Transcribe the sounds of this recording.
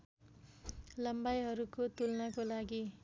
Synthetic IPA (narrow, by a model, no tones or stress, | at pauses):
lʌmbajɦʌɾukot̪ulnʌkolaɡi